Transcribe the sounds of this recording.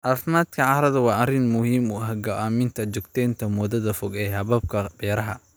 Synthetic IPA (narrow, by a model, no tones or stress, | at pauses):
ʔɐfnaːd̪kʰɐʕɑɾɐðɐwɑːʔɐrɪnmʊhiːmuːɐɦɡɐaːmɪnt̪ʰɐt͡ʃɔɡ̚t̪ʰɛːnt̪ʰɐmɔðɐðɐfɔɡɛːɦɐβɐb̚kʰɐbɛːɾɐɦɐ